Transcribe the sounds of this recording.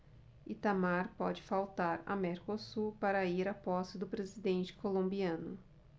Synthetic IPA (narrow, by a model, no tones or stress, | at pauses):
it̪amaɾpɔd͡ʒɪfawt̪aɾɐ̰meɾkosuɾpaɾɐiɾapɔsɪd̪ʊpɾezid̪ẽnt͡ʃɪ̥kolõmbiɐ̃nʊ